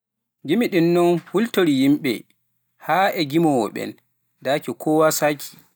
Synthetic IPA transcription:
ɡimiɗinːɔnhultoɾijimɓɛ̰ | haːɛɡimɔwɔ̰ɓɛ̰n | dakɛkʰɔwasakʰi̥

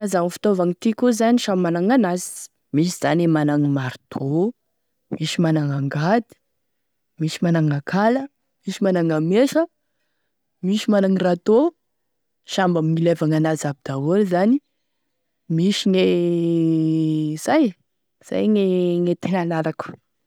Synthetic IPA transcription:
zaŋfi̥t̪ovaŋit̪ikuzaniʃamanaŋanazi̥ | miʃ̬iz̥anemanaŋimaɾt̪ʰo | miʃimanaŋaŋɡad̪i̥ | misimanaŋakʰalə | miʃimanaŋameʃə | miʃimanaŋirat̪o | ʃambaminilevaŋanazabid̪̥awolzani | miʃiŋe | z̥aj | z̥a̰jŋeŋet̪enanaɾaku̥

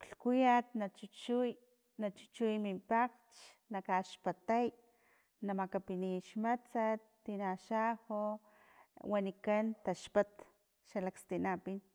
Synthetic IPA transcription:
kɬkujat̪̚nat͡ʃut͡ʃuj | nat͡ʃu̥t͡ʃujmimpak | t͡ʃ | nakaʃpat̪aj | namakapiniʃmat͡sat̪ːinaʃaho | wanikant̪aʃpat̪ | ʃalakst̪inapin

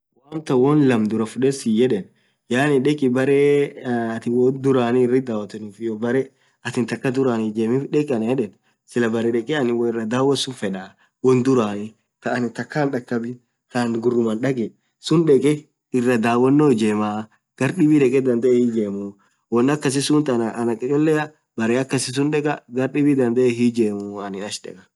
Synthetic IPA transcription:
waːnt̪ɐwɔnlɐmd̪ʊɾɐfʊᶑɛsɪjɛᶑɛn | jaːnɪnᶑɛkʼɪbɐɾɛɐt̪ɪwɔnd̪ʊɾaːnɪɪrːɪd̪aːwɐt̪ːɛnʊfɪjɔbɐɾɛ | ɐt̪ɪnt̪ɐkːɐd̪ʊɾaːnɪd͡ʒeːmɪᶑɛkʼɪɐnjɛᶑɛn | sɪlɐbɐɾɛᶑɛkʼɛɐnɪwɪrːɐd̪aːwɐsʊnfɛᶑa | wɔnd̪ʊɾaːnɪ | kɐːnɪt̪ɐkːaːnᶑɐkːɐbɪ | kanɡʊrːʊmɐnɗɐɡɛ | sʊnᶑɛkʼɛ | ɪrːɐd̪aːwɔnːod͡ʒeːmaː | ɡ̥ɐɾɗɪbɪᶑɛkʼɛd̪ɐnd̪ɐʔɛhid͡ʒeːmʊ | wɔnːɐkːɐs̬ɪsʊnt̪ɐnɐʔɐnɐkʼːɪt͡ʃʼɔlːɛɐ | bɐɾɛɐkːɐsɪs̬ʊnᶑɛkʼɐɡɐɾɗɪbid̪ɐnd̪ɐʔɛɦid͡ʒeːmʊɐnɪnɐʃᶑɛ̰kʼɐ̥

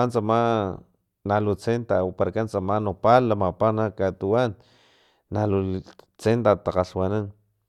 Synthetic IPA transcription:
ant͡sama | nalut͡sent̪aopaɾakant͡samanopalːamapanakat̪uwanː | alut͡sent̪at̪aqaɬwanan

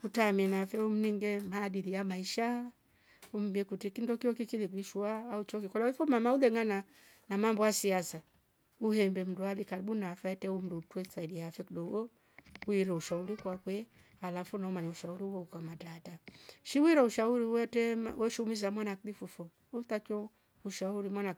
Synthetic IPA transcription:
utamiɛnafɛum̩niŋɡɛmaɗiɾijamaiʃa | um̩biɛkutikindɔkiɔkikilikiʃuaːut͡ʃɔkikɔlaifɔmamauðɛŋana | namambɔasiasa | uhɛmbɛm̩dualikaɾiɓunafaɛtɛum̩dutɛsaidiafɛkuɗɔwɔ | wiɾɔuʃauɾikwakwɛ | alafunaɔmaɲauʃauɾiwɔukamatataʃiwiɾɔuʃauɾiwɛtɛwʔɛʃumiz̬amwanaklifufɔ | utat͡ʃɔ | uʃauɾimwana

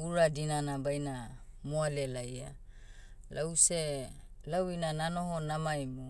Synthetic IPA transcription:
uɾadinanabajna | moalelaja̰ | lʔawse | lawinanano̞ɦonamajmo

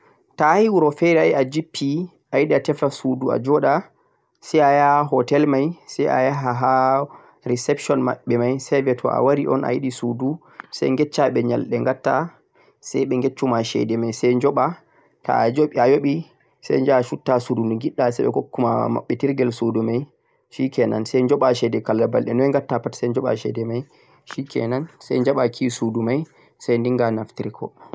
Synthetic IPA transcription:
tahiwuɾɔfɛɾɛajad͡ʒipʰːi | ʔajiɗiatɛftasudua̰d͡ʒɔɗa | sɛjajahaɦɔtɛlmajsɛjʔa̰jaɦaɦa | ɾisɛpʃɔnma̰ɓːɛmajsɛjvɛtʰɔ̰ʔa̰waɾiʔɔ̰nʔa̰jiɗisudu | sɛ̰jŋɡɛt͡ʃːaɓɛɲa̰lɗɛŋɡatːa | sɛjɓɛŋɡet͡ʃːumaʃɛ̰dɛmajsɛjɲd͡ʒɔɓa | ta̰ad͡ʒoɓiajoɓi | sɛ̰jɲd͡ʒaʃutːasudunuŋɡiɗːasɛɓɛ̰kokːumama̰ɓːɛtiɾɡɛlsudumaj | ʃikɛna̰nsɛjɲd͡ʒɔɓaʃɛdɛkalːabalɗɛnɔɛŋɡatːapatsɛjɲd͡ʒɔɓa̰ʃɛ̰dɛmaj | ʃikʰɛ̰nansɛjɲd͡ʒaɓakʰisudumaj | sɛjndiŋɡanaftiɾkʰɔ̰

